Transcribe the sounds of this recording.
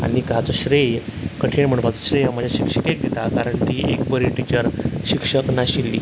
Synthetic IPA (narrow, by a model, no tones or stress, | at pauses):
a̰nikəɦat͡sɔɕɾejkəʈʰiɳm̤əɳ̃ʋat͡sɔɕɾejamad͡ʑʱaɕikʂəkek̚d̪et̪akaɾəɳʈ̪iːekbəɾiʈit͡ɕəɾɕikʂəknaɕilːḭː